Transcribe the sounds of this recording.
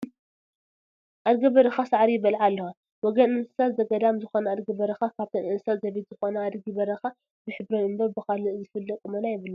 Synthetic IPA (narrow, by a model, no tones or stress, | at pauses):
ʔad̪ɡɐβɐɾɐxasaʕɾijɪbɐlʕalːɐxa | wɔɡɐnɨnɨ̥salzɐɡɐd̪amzɨxonɐad̪ɡɐbɐɾɐxakʰaβt̪ʰɐnʔɨnɨsalzɐβit̪z̥ɨxonɐad̪ɡibɐɾɐxa | bɨħɨbɾɐnɨmbɐβbɨxalɨzɨfɨlːɐkʼɨmɐnajɪβɨlːɐ